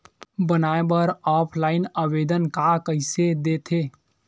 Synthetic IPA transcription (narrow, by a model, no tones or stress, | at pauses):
bənaːebəɾɔːpʰlaːɪnəʋeːd̪ənkakəɪsed̪et̪ʰeː